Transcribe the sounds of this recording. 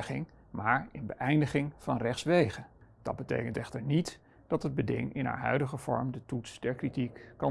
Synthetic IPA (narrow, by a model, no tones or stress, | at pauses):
χɪ̰ŋ | maːɹɪnbəʔɛjndəχɪŋvɑnrɛχtsʋejχəd̥ɑ̰d̚bətḛjkəntɛχtəɹnit | d̥ɑtəd̚bədɪ̰ŋɪnɦa̰ːɹɦœ̰ɥdəχəv̥ɔ̰ɹmdətutsdɛɹkritikːɑ